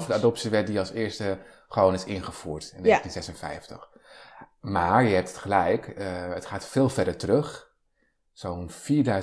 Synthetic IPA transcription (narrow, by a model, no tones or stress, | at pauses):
fədəadɔp̚siʋɛt̚diɑlˠsɪːɹstə | χəʋownɪsɪnχəfuːɹtɪneətinzɛsənfɛ̰jftə̰x | maːɹjəɛp̚tʰə̥tχəlɛjkətχaːtfɪːlˠfɛdəɹtərøχ | sownfiːɹdœ